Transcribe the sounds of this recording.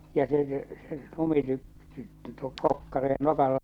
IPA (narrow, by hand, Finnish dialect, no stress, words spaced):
jɑ se se lumityp tuo kokːɑre nokɑlːɑ